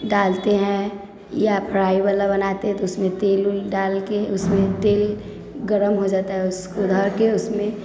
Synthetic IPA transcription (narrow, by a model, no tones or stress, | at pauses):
ɖaːlt̪eɦɛ̃ | japʰɾaːibəlabɐnaːt̪eɦɛ̃t̪oʊsmẽt̪eːlʊɖaːlkeʊsmẽt̪eːl | ɡəɾəmɦod͡ʒaːt̪aɦɛʊskod̪ʱɔːɾkeʊsmẽ